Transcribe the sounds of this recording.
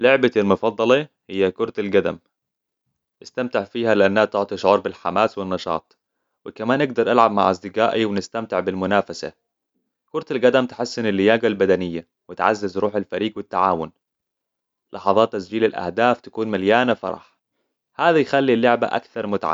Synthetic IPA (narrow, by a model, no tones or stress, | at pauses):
lʊʕbalmʊfɑd̪ˤːɑlɑhɪjːakʊɾˤt̪alɡad̪a̰m | ʔɪst̪amt̪ɪʕfiːhalɪʔanːhat̪ʊʕt̪ˤiʃʊʕuːɾˤbɪlħamaːswɪnːɑʃɑ̰ːt̪ˤ | wɪkamaːnʔɪɡ̚d̪ɑɾˤʔalʕab̚maʕʔasd̪ɪɡaːʔiwɪnɪst̪amt̪ɪʕbɪlmʊnaːfasa̰ | kʊɾˤt̪alɡad̪amt̪ɪ̥ħɪsːɪnalːɪjaːɡalbad̪anɪjːa | wɪt̪ʕa̰zːɪzɾuːħalfaɾiːɡwɪt̪ːaʕaːwʊn | lʔɑħɑðˤɑːt̪ːasd͡ʒiːlalʔa̰hd̪aːft̪ḁkuːnmaljaːnafɑ̰ɾˤɑ̰ħ | haːðajxalːilːʊʕba̰ʔa̰kθɑɾˤmʊt̪aʕa̰